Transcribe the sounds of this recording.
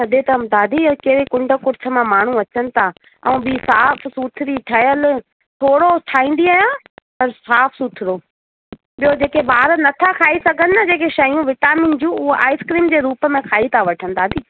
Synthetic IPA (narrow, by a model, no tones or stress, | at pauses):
sɐd̪ʱet̪ɐd̪aːd̪ʱikeɾekʊ̃ɳɖəkʊɾt͡ɕʰə̆mãmaːɳ̤ũɐt͡ɕənɪ̆t̪ʰa | ɛ̃ũbisaːfʰsuːt̪ʰɪɾiʈʰɐjəl̆ | t̪ʰoːɽoʈʰaːĩːnd̪iaːjãː | pɐɾsaːpʰsuːt̪ʰɪɾoː | ɓijod͡ʑeːkebaːɾənɐt̪ʰakʰaːisɐɡʱənɪɐd͡ʑeːkeʃɐjũʋɪʈaːmĩːnd͡ʑũːʊɦoʔaːɪskɾiːmd͡ʑeːɾuːpəmẽkʰaːit̪ʰaʋɐʈʰənɪ̆d̪aːd̪ʱiː